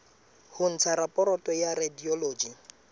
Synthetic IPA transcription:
hʊn̩t͡sʰaɾapʼɔɾɔtʼɔjaɾadiɔloːd͡ʒi

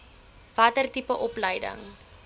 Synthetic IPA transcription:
vɐtərtipəʔɔpləjdə̰ŋ

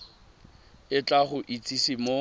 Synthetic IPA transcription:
ɪt͡ɬʼaχʊʔit͡sʼisimo

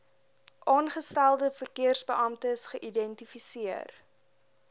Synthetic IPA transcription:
ʔɑːnχəstælˠdəfərkiərsbəʔɐmtəsχəʔidɛntifisiər

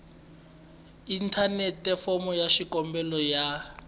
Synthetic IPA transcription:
intʰanɛtɛfɔmɔjaʃikɔmbɛlɔja

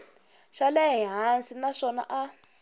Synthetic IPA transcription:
ʃalɛɦiɦansinaʂɔna̰ʔa

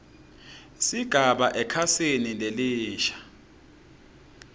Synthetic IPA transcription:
siɡ̥ʱaɓaʔɛkʰasenineliːʃḁ

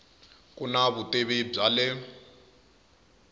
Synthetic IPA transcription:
kunaβuteβeb͡ʐalɛ

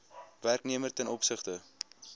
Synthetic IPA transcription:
værkniəmərtɛnʔɔpsəχtə

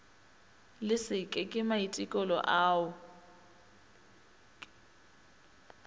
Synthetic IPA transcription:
lɪsɪkʼɛkʼɪmaitʼɪkʼɔlɔ̰ʔaːʊ

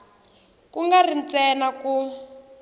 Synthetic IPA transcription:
kuŋɡarint͡sɛnaku

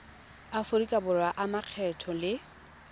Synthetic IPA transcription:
afʊɾikʼabʊrwaʔamaq͡χʰɛtʰɔlɪ

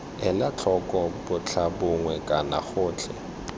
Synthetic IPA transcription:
ɛlat͡ɬʰɔkʼɔbʊt͡ɬʰabʊŋwɛkʼana̰χʊːt͡ɬʰɛ̰

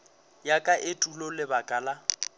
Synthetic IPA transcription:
jakʼaʔɪtʼulɔlɪbakʼaːla

